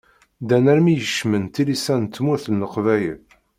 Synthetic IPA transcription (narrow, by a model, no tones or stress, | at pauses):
d̪ænæɾmijəʃmənt̪ilisænt̪ːmuθənːəqvæjə̰l